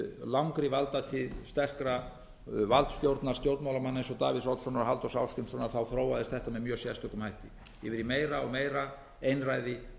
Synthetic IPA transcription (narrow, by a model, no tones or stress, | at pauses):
lawŋkɾɪvalt̪at̪ʰɪðst̪ɛr̥kɾa | valt̪st̪jowɾt̪naɾ̥st̪jowɾt̪nmawlamanːensɔt̪a̰ːvɪðsawt̪sɔnaɾɦalt̪ɔsawskʏnsvɔnːaθawθɾoːwaðɪst̪θɛht̪amɛðmjœːsjɛst̪ʏkʏmhajht̪ɪ | jɛvɪɾimeːjɾaɔ̰ɣmeːjɾa | ejnraːjðɪ